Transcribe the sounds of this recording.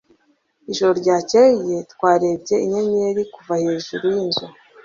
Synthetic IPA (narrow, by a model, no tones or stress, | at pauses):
iʒoɾoɾɟaːceijetkwaːɾe̞bɟe̞iɲeɲeɾikuvaheːʒuɾujinzu